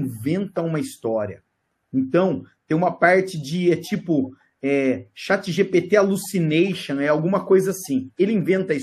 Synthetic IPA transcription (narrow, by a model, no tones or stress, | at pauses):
vẽnt̪ɐũmɐist̪ɔɾiɐ | ẽnt̪ɐ̃w̃t̪ẽj̃ũmɐpaɾt͡ʃɪd͡ʒɪɛt͡ʃipʊ | ɛʃat͡ʃɪʒepet̪ealusinejʃõɛawɡũmɐkojzɐasĩelɪĩvẽnt̪ɐis